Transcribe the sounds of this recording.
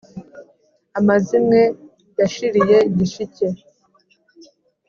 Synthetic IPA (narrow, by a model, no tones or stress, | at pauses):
amazimŋe̞ | jaʃiɾije̞ɟiʃice